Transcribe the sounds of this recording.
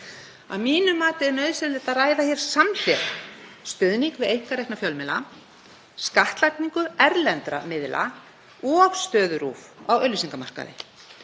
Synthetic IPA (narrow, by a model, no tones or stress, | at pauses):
a̰miːnʏmaːt̪ɪɛɾnœɥðsɪɾlɪt̪aðraːjðaçɛɾ̥saml̥ɛɾst̪œðniŋkvɪðejŋ̥kaɾejknafjœlmɛla | skaht̪lakniŋkʏɛɾlɛnt̪ɾa̰mɪðlʔa̰ | ɔɣst̪œːðʏɾuːfawœlːʏsiŋkamar̥ka̰ðɪ̰